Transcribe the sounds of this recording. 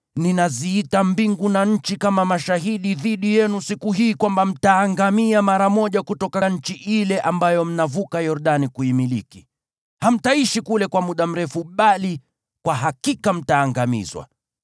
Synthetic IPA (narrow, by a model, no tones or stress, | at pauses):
ninaziitambiŋɡunaɲ̩t͡ʃikamamaʃaɦiɗiðiɗijɛnusikuɦiːkwambam̩taːŋɡamiamaɾamɔʄakutɔkaɲ̩t͡ʃiʔilɛʔambajɔm̩navukajɔɾuɗanikuimiliki | ham̩taiʃikulɛkwamuɗam̩ɾɛfuɓali | kwaɦakikam̩taːŋɡamḭzwa̰